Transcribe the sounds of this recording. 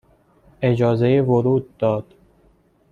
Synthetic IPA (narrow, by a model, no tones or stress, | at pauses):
e̞d͡ʒɒːzejevoɾuːd̪̚ːɒːd̪̥